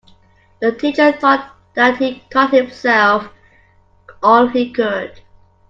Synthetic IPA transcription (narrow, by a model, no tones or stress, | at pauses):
ðətʰit͡ʃə˞θɔt̪̚ | ðət̚hikʰɔt̚hɪ̃msɛlˠf | ɔlˠhikʰʊd̥